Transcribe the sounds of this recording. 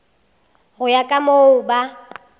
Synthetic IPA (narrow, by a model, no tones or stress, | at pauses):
ɣʊjakʼamoʊba